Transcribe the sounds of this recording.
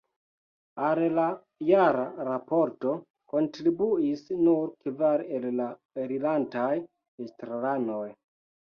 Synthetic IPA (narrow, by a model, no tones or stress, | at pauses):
alla | jaɾaɾapo̞ɾto̞ | ko̞ntɾibuisnuɾkvaɾella | eɾilantaj | estɾalano̞j